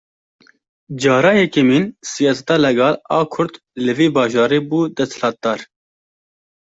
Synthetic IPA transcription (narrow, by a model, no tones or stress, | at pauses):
d͡ʒɑːɾɑːjɛkemiːnsijɑːsɛ̥t̪ɑːlɛɡɑːlɑːkʰʊɾd̪ | lɨviːbɑːʒɑːɾeːbuːd̪ɛst̪lɑːt̪̚d̪ɑːɾ